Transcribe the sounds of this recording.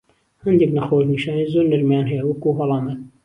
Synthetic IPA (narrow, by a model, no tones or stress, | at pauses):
hɐnd̪ɛknɐxoːʃniʃaːnizoɾnəɾmjanɦɛjɐwɐkuɦɑlˠɑːmən